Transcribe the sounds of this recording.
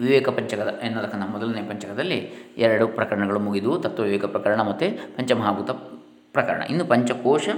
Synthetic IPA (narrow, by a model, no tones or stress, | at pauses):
ʋiʋɛːkɐpɐɲt͡ʃɐkɐd̪ɐenːɐːd̪ɐkːɐnɐmɔd̪ɐluneːpɐɲt͡ʃɐkɐd̪ɐlːḭɛɾɐɽupɾɐkɐɾɐɳɐɡɐɭumuɡid̪ut̪ɐt̪ːɐʋiʋɛːkɐpɾɐkɐɾɐɳɐmɐt̪ːepɐɲt͡ʃɐmɐɦaːɡut̪ɐ | pɾɐkɐɾɐ̰ɳɐ̰ʔinːupɐɲt͡ʃɐkɔːʂɐ